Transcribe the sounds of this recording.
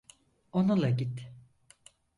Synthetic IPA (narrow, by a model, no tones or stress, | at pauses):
onulˠaɟit̪